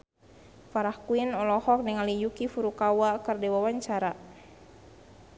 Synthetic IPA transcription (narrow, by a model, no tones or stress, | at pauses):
faɾahkuinɔlɔhɔk̚nɛŋalijukifuɾukawakərdɛwawaɲt͡ʃaɾa